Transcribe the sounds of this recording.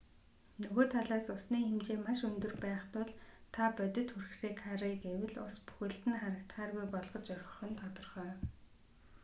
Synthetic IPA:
nɵɣoːt̪ʰaɮaːsʊsniːxemt͡ɕeːmaʃɵnt̪ɵ̆rpæːχt̪ʊɮt̪ʰapœt̪ʲɪ̆t̪xurxriːkʰaɾiːkewɘ̆ɮʊspu̥xɘ̆ɬt̪ɘ̆nχaɾə̆k̚t̪χaːrɣujpɔɮʁɞ̆t͡ɕœɾʲχɞ̆χɞ̆nt̪ʰɔt̪ɞ̆rχœː

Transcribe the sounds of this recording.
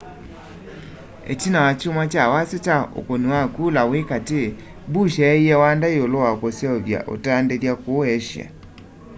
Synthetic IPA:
ḛt͡ʃinawat͡ʃomwat͡ʃawaset͡ʃao̰koniwakulawekate | buʃɛːiɛwandaiolowakosjɔɔβja̰ʔo̰taːndeljakoɛʃja̰

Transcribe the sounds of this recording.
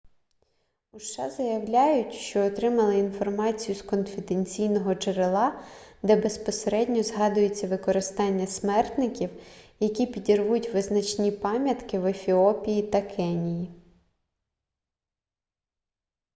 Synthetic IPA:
uʃt͡ʃɑ̰zɐjɐwlʲɑjʊtʲʃt͡ʃɔːt̪ɾɪmɐlˠɪinfɔrmɑt͡sʲijʊskɔnfʲɪd̪enʲt͡sʲijnɔɦɔt͡ʃeɾɪlˠɑd̪ɛbe̞spɔseɾɛdʲnʲɔzɦɑd̪ʊjet͡sʲːɐʋɪkɔɾɪst̪ɑnʲːɐsmɛrt̪nɪkʲiwjɐkʲipʲidʲirʋutʲʋɪznɐt͡ʃnʲipɑmʲjɐt̪kɪʋefʲiɔpʲijit̪ɐkʰɛnʲiji

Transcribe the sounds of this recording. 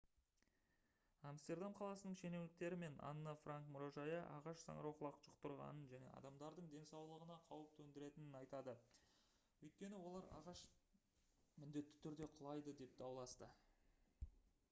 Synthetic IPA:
amst̪e̞rd̪amqʰɑlˠɑsənəɴʃe̞ne̞wlɪk̚t̪e̞ɾɪme̞nʔɑ̰nːəfraŋkmʊɾoʒɑjəʔɑ̰ʁɑʃsɑ̰ɴɾoqlˠɑqʒ̥əqt̪əɾʁɑ̰nənʒæne̞̰ʔɑ̰d̪ɑmd̪ɑɾd̪əɴd̪e̞nsɑwlˠəʁənɑqʰɑwəp̚t̪ʰɵnd̪ɪɾe̞t̪ɪnɪnɑjt̪ɑd̪ə | wɵjt̪̚kʲe̞nɪwo̞lˠɑɾɑ̰ʁɑʃ | mɪnd̪e̞t̪ːɪ̥t̪ʰʏɾd̪e̞qʰʊlˠɑjd̪əd̪e̞p̚d̪̥ɑwlˠɑst̪ə

